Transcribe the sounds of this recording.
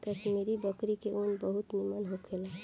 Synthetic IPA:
kəʃmiɾibəkɾikeʔunbəɦut̪nimanɦokʰela

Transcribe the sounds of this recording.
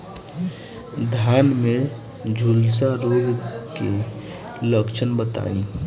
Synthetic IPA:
d̪ʱjanme | d͡ʒʱulsaɾoɡke | ləkt͡ʃʰənbət̪a̰ːḭm

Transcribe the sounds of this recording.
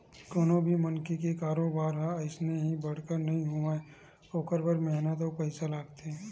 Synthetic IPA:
koːnõbʱimənkikekaːɾoːbaːɾɦɛɪsneɦĩbɐɽ̤kəɾnɐɦĩɦuae | oːkəɾbəɾmɛɦnət̪opɛɪsalaːɡt̪eɦɛ̃

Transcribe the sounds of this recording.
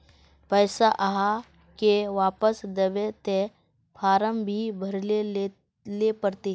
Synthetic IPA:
pəɪsaʔaɦa | keʋaːpəsd̪ɐbet̪e | pʰaːɾəmbʱibʱəɾle | lepəɾt̪eː

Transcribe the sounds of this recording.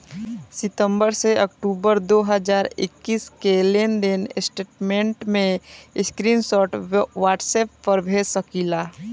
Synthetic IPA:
sɪt̪ə̃mbəɾseəkʈuːbəɾd̪oːɦəzaːɾɪ̰kːiːskelend̪ɪnɪsʈeːʈmẽɳʈmẽɪskɾiːnsɔːʈʋaːʈseːppəɾbʱesəkiːlaː

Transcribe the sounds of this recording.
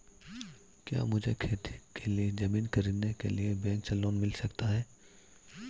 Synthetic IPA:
kja̰ːmʊd͡ʒʱekʰeːt̪i̥kʰelied͡ʒɐmiːnkɐɾiːd̪nekḛliebɛ̃ːŋksɐloːnmɪlsɐkt̪aɦɛː

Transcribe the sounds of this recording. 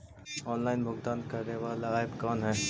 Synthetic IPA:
ɔːnlaːɪnbʱʊɡt̪aːnkɐɾneʋaːlaaːɪbkaːnɦɛː

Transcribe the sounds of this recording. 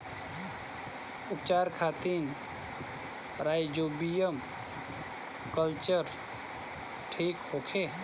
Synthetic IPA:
upt͡ʃaɾkʰat̪in | ɾajd͡ʒobijəm | kəlt͡ʃəɾ | ʈʰikhokʰe

